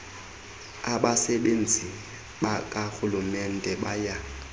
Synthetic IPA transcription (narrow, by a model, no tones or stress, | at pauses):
aɓasɛɓen̩d͡zʱi | ɓakʼahulumɛn̩dʱʼɛɓaja